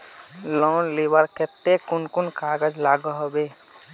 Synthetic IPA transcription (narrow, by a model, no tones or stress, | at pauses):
lɔnlibəɾket̪ːekunkunkaɡəd͡ʒlaɡəɦobe